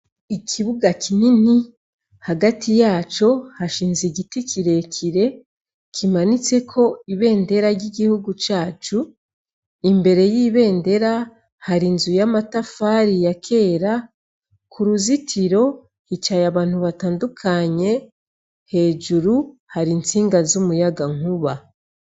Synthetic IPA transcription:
ikʰiβuɡakinini | haɡatijaːt͡ʃo̞haʃiːnziɟitikiɾe̞kʰiɾe̞ | kʰimanit͡se̞kʰo̞iβe̞ːnde̞ɾaɾɟiɡihuɡut͡ʃaːt͡ʃu | imbe̞ɾe̞jiːβe̞ːnde̞ɾa | haɾinzujamatafaɾijakʰe̞ːɾa | kʰuɾuzitʰiɾo̞ | hit͡ʃajaβaːn̥huβataːndukʰaɲe̞ | he̞ːd͡ʒuɾuhaɾiːnt͡siːŋɡazumujaɡaŋ̥uβa

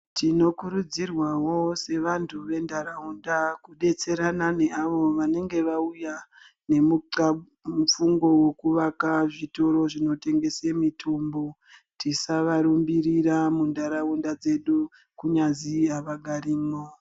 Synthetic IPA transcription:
tino̞kuɾud͡zirwawo̞se̞ʋantʰuʋe̞ndaɾaundakuɗe̞t͡se̞ɾanane̞aʋo̞ʋane̞ŋɡe̞ʋauja | ne̞muǀa | mufuŋɡo̞we̞kuʋakaʐito̞ɾo̞ʐino̞te̞ŋɡe̞semitʰumbo | tisaʋaɾumbiɾiɾamundaɾaundad͡ze̞ɗu | kuɲaziaʋaɡʱariːmo

